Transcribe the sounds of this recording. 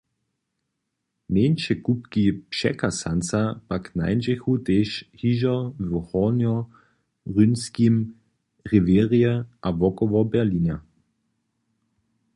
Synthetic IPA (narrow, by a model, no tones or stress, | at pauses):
meːnʃɛkupkipʃɛ̰kasant͡sapakna̰ɪnd͡ʒɛxut̪eːʃhiʒɔvɔhɔnjɔ | ʁynskim | ʁiʋɛːʁiɛʔavɔkɔʋɔbɛɐlina